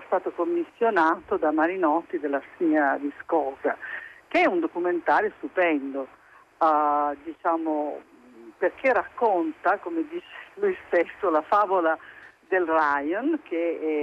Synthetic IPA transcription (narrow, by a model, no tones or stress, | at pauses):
st̪aːt̪okomːisːjonaːt̪od̪amaɾinɔt̪ːid̪elːasiad̪iskɔːza̰k̟eɛund̪okument̪aːɾjost̪upɛnd̪o | d̪it͡ʃaːmo | perk̟erakːont̪akomed̪iːt͡ʃe̥lujst̪esːolafaːvolad̪elrajonk̟e